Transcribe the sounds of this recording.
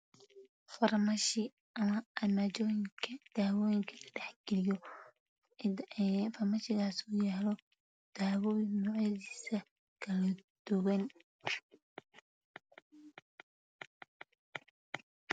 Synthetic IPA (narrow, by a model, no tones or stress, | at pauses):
fɐrmɐʃɪ | ɐmɐɐmaːt͡ʃɔjɪkʰɐd̪̥aːwɔːjɪŋkʰɐlɐɖɛħɡ̥ɛlɪjɔ | fɐrmɐʃɪɣaːsʊjaːlɔ | d̪̥aːwɔːjɪnɔːʕjɐðiːsɐ | kʰɐlɐd̪̥ʊɣɐn